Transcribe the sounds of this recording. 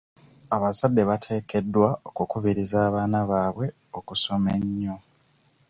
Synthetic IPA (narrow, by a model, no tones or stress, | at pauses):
aβazadːe̞βatʰe̞ːke̞dːwao̞kukuβiɾizaːβaːnaβaːβwe̞ | o̞kuso̞meɲːo